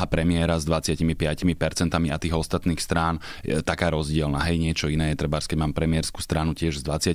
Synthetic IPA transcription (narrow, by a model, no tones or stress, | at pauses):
apɾɛmɪɛɾazd̪ʋat͡sɪacimipɪacimipɛɾt͡sɛnt̪amiat̪iːɣɔst̪at̪niːxst̪ɾaːnjɛ̰t̪akaːɾɔzɟɪɛlnaɦɛjɲɪɛt͡ʃɔinɛːjɛt̪ɾɛbaɾskɛɟmaːmpɾɛmɪɛɾskuːst̪ɾanucɪɛʒzd̪ʋat͡sɪa